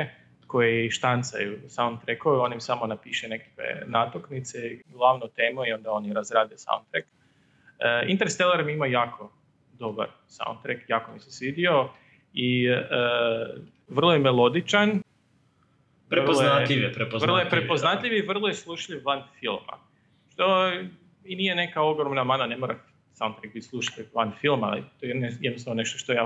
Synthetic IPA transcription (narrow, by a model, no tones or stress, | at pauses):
ko̞jeiʃt̪ant̪sa̰jusaont̪ɾekoo̞nimisamo̞napiːʃene̞kḁkʋḛnat̪oknit̪seiɡlˠaʋnot̪eːmoio̞nd̪ao̞njɾazɾaːd̪iosa̰ṵ̃nt̪ɾek | əḭnt̪eɾst̪elˠeɾmiimajaːkʰo̞ | d̪o̞ba̰ɾ | sa̰ṵnd̪t̪ɾekjaːkomisesʋid̪io̞ | iə | ʋər̩lˠojemelˠod̪it͡ʃan | ʋpɾerlaʎiʋepɾepʋr̩lˠojeppɾepoznat̪ʎʲiʋiʋr̩lˠojeslˠuʃʎiʋʋanfilˠma̰ | ʃt̪o | inijene̞kao̞ɡɾomnamananemoɾa | sawnt̪ɾek̚bit̪slˠuʃaʎʲiʋanfilˠma̰lḭt̪ojenejenisaʋone̞ʃt̪oʃt̪oja